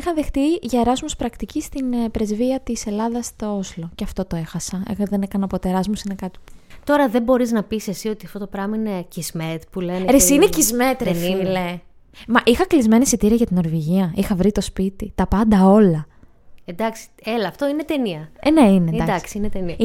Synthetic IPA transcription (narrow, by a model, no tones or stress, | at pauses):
ixɐðe̞xt̪iʝɐeɾɐzmuspɾɐkt̪icist̪inpɾe̞zviɐt̪ise̞lɐðɐst̪o̞ozlo̞ceɐft̪o̞t̪o̞e̞xɐsɐḛɣoðe̞nekɐnɐpo̞t̪oeɾɐzmusine̞kɐt̪i̥pt̪o̞ɾɐðebo̞ɾiznɐpisesio̞t̪iɐft̪o̞t̪opɾɐmɐine̞cizmet̪puleneɾesinecizmet̪ɾnle | mɐʔixɐklizme̞nisit̪iɾeʝɐt̪ino̞ɾviʝiɐixɐvɾit̪o̞spit̪it̪ɐpɐnd̪ɐo̞lɐ | end̪ɐksi̥elɐːft̪o̞inet̪eniɐeneineːnɐd̪ɐsksinet̪eniɐ